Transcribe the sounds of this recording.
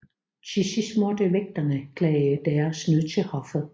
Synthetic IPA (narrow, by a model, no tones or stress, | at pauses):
ɕʰisismɔd̥əʋeɡ̥̚d̥ɐnəkʰlɛɪəd̥ɛːɐsnøðt͡sʰe̝hɒfð̩ˠ